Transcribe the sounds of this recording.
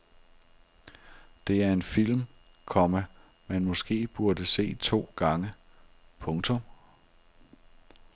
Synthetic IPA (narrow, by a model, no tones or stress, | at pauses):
d̥e̝æɐe̝nfil̰m | kʰɒ̽mæ | mænmɔ̽sɡ̥e̝̰ːb̥uɐd̥əse̝̰ːt͡sʰo̝̰ːɡ̥ɑ̈ŋəpʰɔ̽ŋt͡sʰɔ̽m